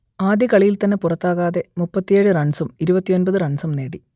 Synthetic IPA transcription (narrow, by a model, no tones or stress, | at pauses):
aːd̪jɐkɐɭijilt̪ɐnːepurɐt̪ːaːɣaːðe̞mupːɐt̪ːijeːɻɨrɐɳsɐmiɾubɐt̪ːio̞nbɐðɨrɐɳsɐmne̞ːɽi